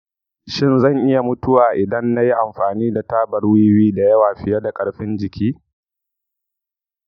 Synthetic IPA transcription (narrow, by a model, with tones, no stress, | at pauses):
ʃɪ˦˨nzɐ˦˨ŋʔɪ˦ja˨mʊ˦tʊ˦waː˨ʔɪ˨dɐ˦nːa˦ji˦ʔa˨mɸaː˨niː˦da˨taː˦bɐ˨rwi˦wiː˦da˨jɐ˦waː˨ɸɪ˨jɐ˦da˨kʼɐ˨ɽɸɪ˦nd͡ʒɪ˨kʲʰiː˦